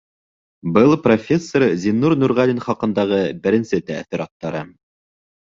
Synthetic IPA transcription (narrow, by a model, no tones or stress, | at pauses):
bɤlˠprofʲe̞sːoɾzʲinːuɾnuɾʁɑlinχɑqɤ̆nd̪ɑʁɤbɘ̆ɾɘ̆nsɘt̪æ̰θiɾɑt̪ːɑɾɤ